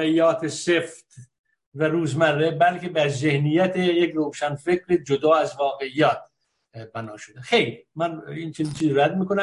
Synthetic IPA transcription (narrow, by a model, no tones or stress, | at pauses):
eijːɒːt̪ʰeseft̪ | væɾuːzmærːebælcʰe̞bæɾzehnijæt̪ʰejecɾoːʃænfecʰɾed͡ʒod̪ɒːæzvɒːɣeijɒːt̪̚ | bænɒːʃod̪exejlimænint͡ʃʰeniːnt͡ʃʰiːziɾæd̪̚miːkonæ